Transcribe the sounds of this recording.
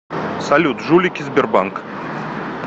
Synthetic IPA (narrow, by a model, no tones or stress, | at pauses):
sɐlʲut̪ʒulʲikʲizbʲɪrbaŋk